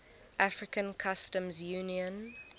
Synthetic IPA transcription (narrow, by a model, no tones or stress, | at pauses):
ʔafɹɪkə̃nkʰastə̃mzjuːniə̃n